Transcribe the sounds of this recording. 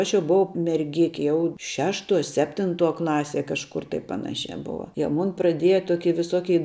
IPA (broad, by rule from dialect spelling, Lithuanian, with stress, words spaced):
ˈɐʃ jɛʊ bʊˈʋɐʊ mʲɛrʲˈɡʲɪkʲɪ ˈjɛʊ ˈʃʲæːʃˌtuɔ ˈsʲæːpʲtʲɪnˌtuɔ ˈklˠɑːˌsʲiɛ kɐʃˈkʊr tɐɪ ˈpɑːnɐʃʲæː ˈboːʋɐ jiɛ ˈmʊn prɐˈdʲiɛjɛ ˈtoːkʲɪ ʋʲɪˈsoːkʲɛɪ